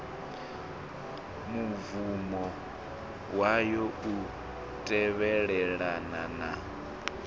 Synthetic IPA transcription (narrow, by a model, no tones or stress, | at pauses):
muvumɔ | wajɔu | tʼɛβɛɺɛɺanana